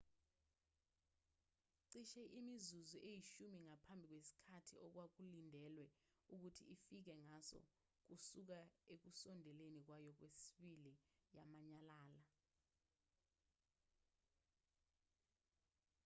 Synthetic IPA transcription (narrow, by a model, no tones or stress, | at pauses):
ǀiʃɛʔimizuzuʔejiʃumiŋapʰambʱik̬wesi̥kʰatʰiʔɔk̬wak̬ulindʱɛlwɛuk̬utʰiifik̬ɛŋasɔ̰ | k̬usuk̬aek̬usɔndʱɛlenik̬wajɔk̬wesiɓilijamaɲalaːla